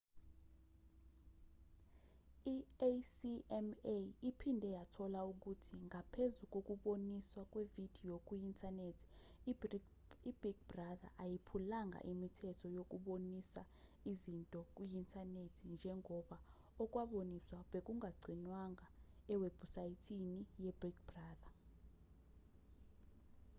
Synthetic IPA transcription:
iesiɛmeipʰindʱɛjatʰɔlauk̬utʰiŋʱapʰezuk̬ʼok̬ʼuɓoniswakʼwevid̥ʱiokʼuintʰanetʰi̥ | ib̥ik̚braða̰ʔajipʰulaŋɡʱa̰ʔimitʰɛtʰɔjok̬ʼuɓonisa | izintʼɔk̬ʼuintʰanetʰind͡ʒʱɛŋɔɓa | ɔk̬ʼwaɓoniswaɓek̬ʼuŋʱaɡ͡ǀʱinwaŋaɛweb̥usajitʰinijɛb̥rikbraːða

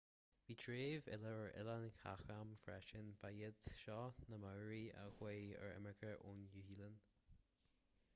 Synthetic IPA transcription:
viːtʰɹeːvɪ̰ləəɹɪ̰lankʰa̰xamfɹɛʃənb̥ajɪd̪ʃɑːnəmaːɹiə̰xweːə̰ɹɛ̰məɡəʔoːnjuhiːlən

